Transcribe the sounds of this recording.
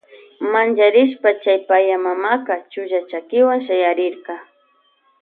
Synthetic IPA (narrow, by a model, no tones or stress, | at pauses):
mant͡ʃaɾɪʃ̬pat͡ʃajpajamamaqɑt͡ʃʊʒat͡ʃakɪwaŋʃajaɾɪɾqɑ